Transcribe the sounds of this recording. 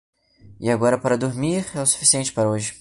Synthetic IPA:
ɪaɡɔɾɐpaɾɐd̪oɾmiɾɛʊsu̥fi̥siẽnt͡ʃɪ̥paɾɐoʒɪ

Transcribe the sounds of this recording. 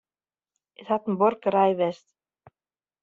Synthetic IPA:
iθat̪nmbɔɾkaɾaːjvɛst̪

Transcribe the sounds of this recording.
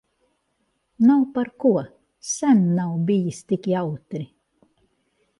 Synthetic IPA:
nawpaɾkuɔ | sænːawbijist̪ikʲiawt̪ɾi

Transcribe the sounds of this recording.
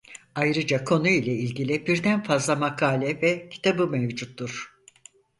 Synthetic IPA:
ajɾɯd͡ʒakʰo̞nuilʲˠɛilʲɟilʲibiɾd̪ænfazlˠamakʰaːlʲɛvɛcʰi̥t̪ʰabɯmevd͡ʒut̪ːuɾ̥

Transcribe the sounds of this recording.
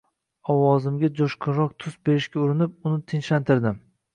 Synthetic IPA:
ɒwɒzɪmɡʲad͡ʒoʃqʰʊnɾɒq̚t̪ʰʊsbe̞ɾɪʃkʲaʊɾɪnɪp̚ʊnɪt̪ʰɪnʃlant̪ʰɪɾd̪ɪm

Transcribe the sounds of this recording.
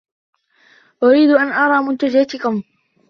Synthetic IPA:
ʔʊɾiːd̪ʔanʔɑɾˤɑːmʊnt̪ad͡ʒaat̪ɪkʊm

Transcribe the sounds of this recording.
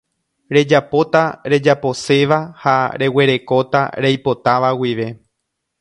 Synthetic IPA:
ɾe̞d͡ʒapo̞t̪aɾe̞d͡ʒapo̞se̞ʋahaɾe̞we̞ɾe̞ko̞t̪a̰ɾejpo̞t̪aʋawiʋe̞

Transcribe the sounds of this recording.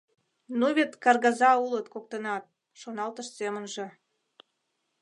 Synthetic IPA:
nuβet̪kɑrɣɑzɑulət̪kok̚t̪ənɑt̪̚ | ʃonɑlt̪əʃsemənʒĕ

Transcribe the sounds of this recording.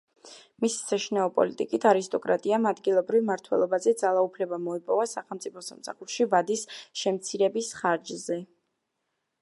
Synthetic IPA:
misi̥saʃinaɔpʼɔ̰lit̪ʼikʼit̪ʰaɾist̪ʼɔkʼɾa̰t̪ʼiamad̪ɡilˠɔbɾivmaɾt̪ʰwɛ̰lˠɔbazɛd̪zalˠaupʰlɛbamɔipʼɔvasaχɛlˠmt̪sʼipʰɔsa̰msa̰χuɾʃivad̪isʃɛmt̪sʰiɾɛbisχaɾd͡ʒzɛ

